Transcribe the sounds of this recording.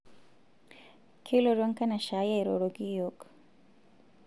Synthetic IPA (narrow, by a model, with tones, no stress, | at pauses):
kʰi˦lo˨ɾa˦ŋkɐ˦na˨ʃa˦ja˦jɾo˨ɾo˨ɡi˦jok